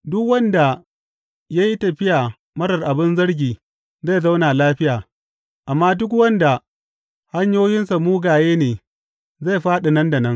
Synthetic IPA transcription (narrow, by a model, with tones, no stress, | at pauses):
dʊ˦kwɐ˦nda˨ | ja˦ji˦tɐ˨ɸɪ˦ja˨ | mɐ˦ɽɐ˨rʔa˨bɪ˦nzɐ˦ɽɡʲiː˨ | za˦˨za˦wna˨laː˦ɸɪ˦jaː˨ | ʔa˨mːaː˦dʊ˦k̬wɐ˦nda˨ | ha˦ɲjoː˦jɪ˦nsa˨muː˦ɡaː˨jeː˦neː˨ | za˦˨jɸaː˦ɗa˨nɐ˦nda˨nɐ˦ŋ